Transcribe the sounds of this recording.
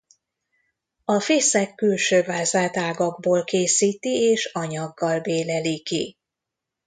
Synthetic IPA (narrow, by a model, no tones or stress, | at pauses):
ɒfeːsɛkːylʃøːvaːzaːt̪aːɡɒɡ̚boːlkeːsiːt̪ieːʃɒɲɒɡːɒlbeːlɛliki